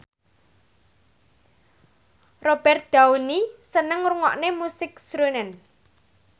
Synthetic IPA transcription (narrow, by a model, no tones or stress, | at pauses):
rob̥ɛrt̪̚d̪̥aunisənəŋruŋɔ̰ʔnemusɪksɾunɛn